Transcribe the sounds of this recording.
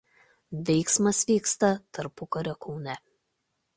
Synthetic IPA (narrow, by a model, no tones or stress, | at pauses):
ʋʲɛɪksmɐsʋʲiːkst̪ɐt̪ɐɾpʊkɐɾʲokʰɔʊnʲɛ